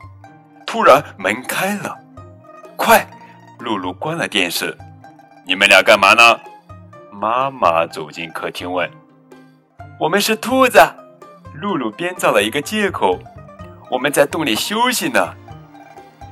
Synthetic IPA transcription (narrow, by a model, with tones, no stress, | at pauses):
t̪ʰu˥ɻa˧˥nmə˧˥nkʰa˥ɪlə˨ | kʰwa˥˩ɪ | lu˥˧lu˥˩kwa˥nlə˨t̪jɛ̰˥˧nʂɻ̩˥˩ | ni˨˩mə˧˦nljɑ˧˥ka˥˩nma˧˥nə˧˩ | ma˥ma̰˧˥t͡so˨˩ʊt͡ɕi˥˩nkʰɤ˥˩t̪ʰi˧˥ŋwə˥˩n | wɔ˨˩mə˧˦nʂɻ̩˥˩t̪ʰu˥t͡sa˥˩ɪlu˥˧lu˥˩pjɛ˥nt͡sɑ˥˩ʊlə˩i˧˥ɡə˧t͡ɕjɛ˥˩kʰo˨˩˦ʊwʔɔ˨˩mə˧˦nt͡sa˥˧ɪt̪ʊ˥˩ŋli˨˩ɕjo˥ʊɕi˨˩nə˦